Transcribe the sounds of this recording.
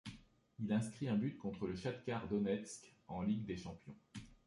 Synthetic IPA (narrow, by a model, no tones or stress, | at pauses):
ilɛ̃skχiɛ̃byt̪kɔ̃t̪χələʃat̪kʲaʁd̪ɔnɛt̪skɑ̃liɡd̪eʃɑ̃pjɔ̃